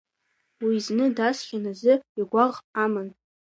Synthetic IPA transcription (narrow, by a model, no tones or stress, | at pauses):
wiznɨdasχʲanazɨiɡʷaʁamɨn